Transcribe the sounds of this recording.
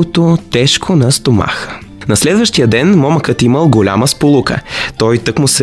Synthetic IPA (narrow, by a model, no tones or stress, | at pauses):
ot̪ot̪ɛʃkʰonɐst̪oma̰xə̥ | nɐslɛd̪vəʃt̪ijəd̪ɛnmɔməkət̪iməlˠɡolʲa̰məspolˠukə̰t̪ɔjt̪ɤkmʊsɛ